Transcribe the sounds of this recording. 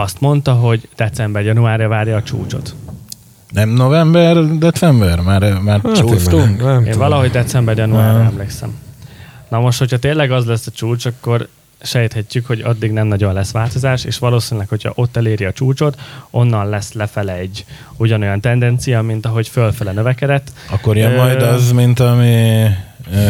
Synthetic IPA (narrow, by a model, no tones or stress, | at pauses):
ɒst̪mo̞nt̪ɒɦo̞ɟd̪ɛt̪sɛmbɛrjɒnuaːrɛvaːrjɒːt͡ʃṵːt͡ʃo̰t̪ | nɛmnovɛmbɛrd̪ɛt̪sɛmbɛrmaːɾmaːrt͡ʃuuḛːnvɒlɒɦo̞ɟd̪ɛt̪sɛmbɛrjɒnuaːrɒɛmleksɛ̰m | nɒmo̞ʃt̪ho̞cʰhɒt̪eːlɛɡɒzlɛsːɒt͡ʃuːt͡ʃɒkːo̞r | ʃɛjt̪hɛcːykho̞ɟɒd̪ːiɡnɛmnɒɟo̞nlɛsʋaːlt̪o̞zaːʃḛːʃʋɒloːsiːnilɛkho̞cʰɒ̰ʔo̞t̪ːɛleːɾiɒt͡ʃuːt͡ʃo̞t̪o̞nːɒnlɛslɛfɛlɛɟː | uɟɒno̞jɒnt̪ɛnd̪ɛnt̪sijɒmint̪ɒɦo̞cfølfɛlɛnøvɛkɛd̪ɛt̪ːɒkkːoɾjømːɒjd̪ɒzmint̪ɒmi